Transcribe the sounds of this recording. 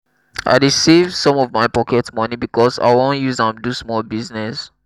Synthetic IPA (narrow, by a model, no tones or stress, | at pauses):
ʔa̰ɪɹisivsɔ̃mɔvmaɪpɔkɛtmɔnibikʰɔsa̰ɪwõnjuzə̃mdusmɔlbiznɛs